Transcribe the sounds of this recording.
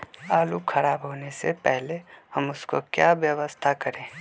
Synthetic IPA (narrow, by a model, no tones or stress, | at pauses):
aːlukʰɐɾaːbɦoːnesepɛɦlehɐmʊskokjaːʋjəʋəst̪ʰakɐɾẽː